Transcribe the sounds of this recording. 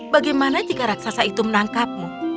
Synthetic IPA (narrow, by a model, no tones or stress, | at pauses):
baɡajmanat̪ikaɾak̚sasait̪umənaŋkap̚mu